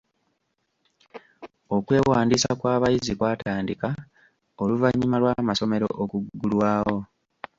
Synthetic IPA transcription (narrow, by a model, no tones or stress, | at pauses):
o̞kwe̞ːwaːndiːsakwaːβajizikwaːtaːndika | oluvaɲːimalwamaso̞me̞ɾo̞̰ʔokuɡːulwaːho̞